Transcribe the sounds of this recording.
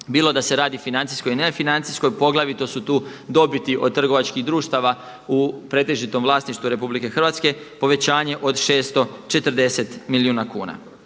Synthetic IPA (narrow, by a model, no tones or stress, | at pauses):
biːlo̞d̪ase̞ɾaːd̪ifinant̪siskojinefinant̪sisko̞jpo̞ɡlaʋit̪osut̪uː | d̪o̞bit̪iʔo̞d̪̚t̪ːr̩ɡo̞ʋat͡ʃkiɣd̪ɾuːʃt̪aʋa | upɾe̞t̪e̞ʒit̪o̞mʋlˠaːsniʃt̪ʋuɾe̞publike̞xr̩ʋat̪ske̞po̞ʋe̞t͡ɕaːɲe̞ʔo̞d̪ʃe̞ːst̪o̞t͡ʃe̞t̪rd̪e̞se̞t̪milijuːnakuːna̰